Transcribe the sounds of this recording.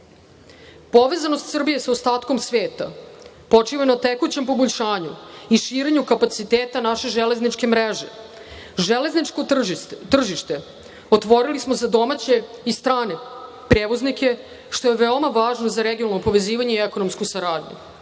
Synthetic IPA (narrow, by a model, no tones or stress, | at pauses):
po̞ʋe̞zanost̪sr̩bije̞saost̪aːt̪ko̞msʋeːt̪a̰ | po̞t͡ʂiʋanat̪ekut͡ɕe̞mpo̞boʎʲʃaːɲṵiʃiːɾe̞ɲukapat̪sit̪eːt̪anaʃe̞ʒeleznit͡ʃke̞mɾeʒe̞̰ | ʒele̞znit͡ʃkot̪r̩ʒiʃt̪e̞ | ot̪ʋo̞ɾilismo̞zad̪o̞mat͡ɕe̞ist̪ɾaːne̞ | pɾeːʋoznikje̞ | ʃt̪o̞je̞ʋeomaʋaːʒnozaɾeɡijonalˠno̞po̞ʋe̞ziːʋaɲe̞ieko̞nomskusaɾaːd̪ɲṵ